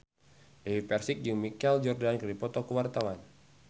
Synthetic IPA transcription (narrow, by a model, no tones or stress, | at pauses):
dewipɛrsɪk̚d͡ʒəŋmikɛld͡ʒɔrdankɨrdipɔt̪ɔkəwart̪awan